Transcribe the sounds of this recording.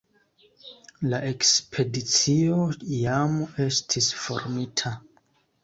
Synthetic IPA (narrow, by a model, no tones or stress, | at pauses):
laʔe̞kspʰe̞dit͡sio̞jame̞stʰisfo̞̰ɾmitʰa